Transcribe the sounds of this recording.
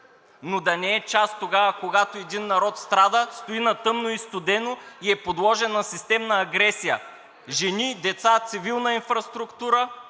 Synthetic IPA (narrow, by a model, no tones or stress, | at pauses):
nod̪ɐnɛɛt͡ʃast̪ːoɡavəkoɡat̪oɛd̪inːɐɾɔt̪st̪ɾad̪əst̪oinɐt̪ɤmnoist̪od̪ɛnoiɛpod̪lˠɔʒɛnɐsist̪ɛmnɐːɡɾɛsijə̰ | ʒɛnid̪ɛt̪sat̪sivilˠnəinfɾɐst̪ɾʊkt̪uɾə